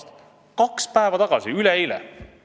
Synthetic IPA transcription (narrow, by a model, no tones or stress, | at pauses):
t̪ | kɑkspæevɑt̪ɑɡ̥ɑsiyleilɛ̰